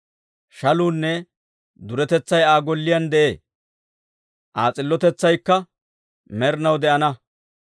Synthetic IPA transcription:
ʃɐluːnːɛ | d̪ʊɾɛt̪ɛt͡sːɐjaːɡɔlːɪjɐnd̪ɛʔeː | ʔaːt͡sʼɪlːɔt̪ɛt͡sːɐjkːɐ | mɛɾnɐwd̪ɛʔɐnɐ

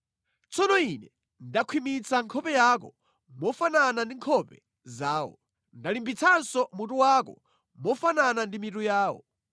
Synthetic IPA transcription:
t͡sʰɔnɔinɛ | ndakʰwimit͡sʰaŋkʰɔpɛjaːk̬ɔ̰ | mɔfananandiŋkʰɔpɛ | zaːwɔ̰ | ndalimbit͡sʰansɔmutuwakɔ̰ | mɔfananandimitujaːwɔ̰

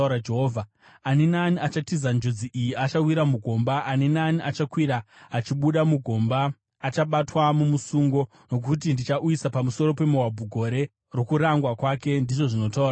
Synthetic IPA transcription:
ɾad͡ʒeɦoːvʱa | anenaniat͡ʃatizand͡ʒod͡ziʔijiat͡ʃawiɾamuɡʱo̞mbaʔːnenaniʔat͡ʃakwiɾaːt͡ʃiɓuɗamuɡʱo̞mbaː | t͡ʃaɓatwamumusuŋɡo̞ | no̞k̬ut̬indit͡ʃaʔuisapamuso̞ɾo̞pe̞muwabʱuɡʱo̞ɾe̞ | ro̞kuɾaŋɡwakwake̞ndiʐo̞ʐino̞taua

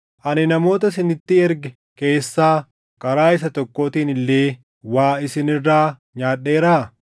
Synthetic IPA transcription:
ʔɐnɪnɐmo̞ːt̪ɐsɪnɪt̪ːɪɛɾɡɛ | ke̞ːsːaː | kʼɐɾaːɪsɐt̪ɔkːo̞ːt̪iːnɪlːeː | waːɪsɪnɪrːaːɲaːᶑːe̞ːɾaː

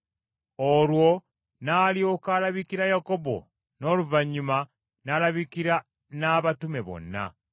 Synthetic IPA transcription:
olwo̞ | naːljo̞kaːlaβikiɾajako̞bo̞̰ | no̞ːluvaɲːuma | nalaβikiɾa | naβatume̞βo̞̰nːa̰

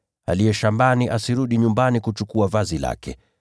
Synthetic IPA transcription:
a̰liɛʃambaniʔasiɾuɗiɲumbanikut͡ʃukuavazila̰kɛ

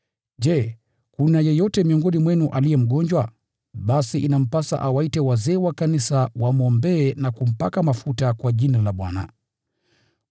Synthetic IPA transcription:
ʄɛ | kunajɛjɔtɛmiɔŋɡɔnimwɛnuʔalijɛm̩ɠɔɲd͡ʒwa | ɓasiʔinam̩pasa̰ʔawaitɛwazɛːwakanisawamɔmbɛːnakum̩pakamafutakwaʄinalaɓwa̰na̰

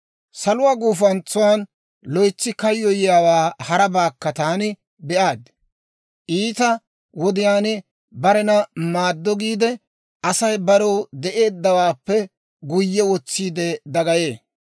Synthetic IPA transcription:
sɐlʊwaːɡuːfɐnt͡sːʊwaːn | lɔjt͡sːɪkɐjːɔjɪjaːwaːhɐɾɐbaːkːɐt̪aːnɪ | bɛʔaːd̪ | ʔiːt̪ɐ | wɔd̪ɪjaːnɪ | bɐɾɛnɐmaːd̪ːɔɡiːd̪ɛ | ʔɐsɐjbɐɾɔwd̪ɛʔe̞ːd̪ːɐwaːpːɛ | ɡʊjːɛwɔt͡sːiːd̪ɛd̪ɐɡɐjeː

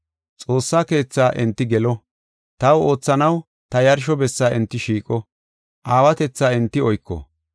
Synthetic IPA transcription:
t͡sʼo̞ːsːaːke̞ːt͡sːaːʔɛnt̪ːɪɡɛlɔ | t̪ɐwo̞ːt͡sːɐnɐw | t̪ɐjɐɾʃ̬ɔbɛsːaːɪnt̪ːɪʃiːkʼɔ | ʔaːwɐt̪ɛt͡sːaːɪnt̪ːɪɔjkːɔ̰

